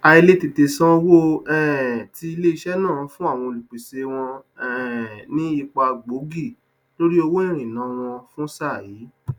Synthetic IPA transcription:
a˨˧i˧le˦te˨te˨sã˦o˦wo˦ɛ˦˨ti˧i˧le˦i˧˦ʃɛ˦nãː˦˨fũ˦a˦˨w̃ɔ̃˧o˨lu˨k͡pe˨se˧w̃ɔ̃˧ɛnĩ˦i˧k͡pa˧ɡ͡bo˨˦ɡi˦˨ | lo˦ɾi˦o˧wo˦ĩ˦˨ɾ̃ĩ˨nã˨˦w̃ɔ̃˧fũ˦sa˦˨jiː˨˦

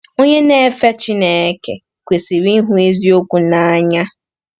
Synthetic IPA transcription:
o˦ɲe˦ne˦˨˦fe˦t͡ʃi˦ne˨˦ke˨ | kʷe˨si˨ɾi˦ɦu˦e˦zi˦o˦kʷu˨na˨˦ɲa˦

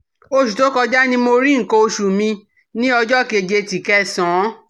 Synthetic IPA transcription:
o˧ʃu˨to˨˦kɔ˧d͡ʒa˦nĩ˧˦mo˧ɾi˦ŋ̩˨ko˧o˧ʃu˨mĩ˧ | nĩ˦ɔ˧d͡ʒɔ˦˨ke˧˨d͡ʒe˧ti˨kɛ˦˨sɔ̃˨˦

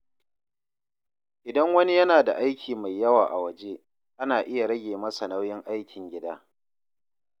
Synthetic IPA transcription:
ʔɪ˨dɐ˦ŋwɐ˦ni˦jɐ˦naː˨da˨ʔa˦jkʲʰiː˨ma˨jːɐ˦waː˨ʔa˨wɐ˨d͡ʒeː˦ | ʔa˦naː˨ʔɪ˦ja˨ɽɐ˦ɡʲeː˨mɐ˦sa˨na˦wjɪ˦ŋʔa˦jkʲɪ˨ŋɡʲɪ˦daː˦

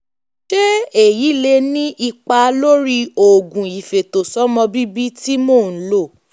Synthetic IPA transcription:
ʃe˦e˦˨ji˨˦le˧nĩ˦ʔi˧k͡pa˧lo˦ɾi˦o˨ɡũ˨i˨fe˨to˨sɔ˦mɔ̃˧bi˦bi˦ti˦moː˦˨n̩˨˦lo˦˨

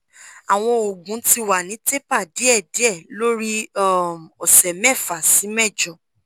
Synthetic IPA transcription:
a˨w̃ɔ̃˧o˨ɡũ˨˦ti˧wa˨nĩ˨˦te˦pa˦˨di˨˦ɛ˦˨di˨˦ɛ˦˨lo˦ɾi˦ɔ˦˨m˨ɔ˨sɛ˨mɛ˦˨fa˨si˨˦mɛ˦˨d͡ʒɔ˨

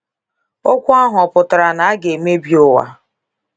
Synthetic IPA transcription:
o˦kʷu˦a˦ɦʊ˨ɔ˨pʊ˨tʊ˨ɾa˨na˨a˦ɡe˨me˦bjo˦wa̰˨

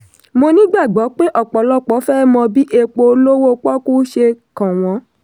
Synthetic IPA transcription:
mo˧nĩ˦ɡ͡ba˦˨ɡ͡bɔ˨˦k͡pe˦ʔɔ˦˨k͡pɔ˨˦lɔ˦k͡pɔ˨˦fɛ˦mɔ̃˧bi˦ʔe˧k͡po˧lo˦wo˦k͡pɔ˦ku˦ʃe˧kã˨w̃ɔ̃˨˧˦

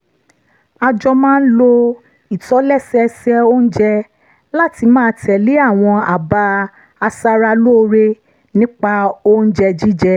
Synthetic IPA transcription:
a˧d͡ʒɔ˧mãː˦n̩˦lo˧ | i˨tɔ˨˦lɛ˦˨sɛ˧sɛ˦o˦n̩˦d͡ʒɛ˧ | la˦˨ti˧mãː˦˧tɛ˨li˨˦a˦˨w̃ɔ̃˧a˨ba˧ | a˧sa˧ɾa˧lo˦˧ɾe˦ | nĩ˦k͡pa˧o˦n̩˦d͡ʒɛ˧d͡ʒi˦d͡ʒɛ˧

